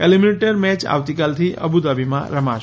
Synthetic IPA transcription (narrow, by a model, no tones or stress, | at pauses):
elimineʈəɾmɛt͡ʃa̰ʋt̪ikalt̪ʰiʔə̰bud̪abimã̰ɾəma